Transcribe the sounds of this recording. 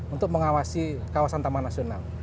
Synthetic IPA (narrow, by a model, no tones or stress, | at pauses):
unt̪ʊk̚məŋawasikawasant̪amanasional